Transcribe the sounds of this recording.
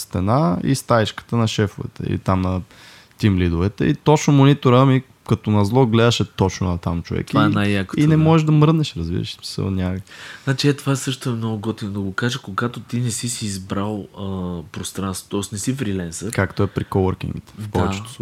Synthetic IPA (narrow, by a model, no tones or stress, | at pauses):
st̪ɛnaḭst̪ait͡ʃkə̥t̪ənɐʃɛfovɛ̰t̪ɛ̰ḭlḭt̪amnɐ | t̪imlid̪ʊvɛt̪ɛ̰it̪ɔt͡ʃnomonit̪oɾəmi | kɐt̪onɐzlˠɔɡlɛd̪əʃɛt̪ɔt͡ʃno̰nɐt̪amt͡ʃo̰vɛ̰k̪ivaɛnajjakinnɛmɔʒɛʒd̪ɐmɾnɛʃɾɐzbḭɾə̰ʃsmi̥sə̰lˠnʲakznat͡ʃiɛt̪ovaɛsɤʃt̪oɛmnɔɡʊɡɔt̪inod̪ɐɡokaʒəkoɡat̪ot̪inɛsisiːzbɾalˠəpɾost̪ɾansvo̥t̪ɔisnɛsifɾilɛnsəkakt̪oɛpɾikovəɾkḭŋɡit̪ɛ̥fpɔvɛt͡ʃɛo̥